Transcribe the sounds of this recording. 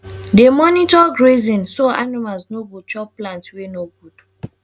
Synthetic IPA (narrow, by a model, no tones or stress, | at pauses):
demɔnitɔɡɹezĩnsɔanimalznobut͡ʃɔpːlãntwenoɡud̥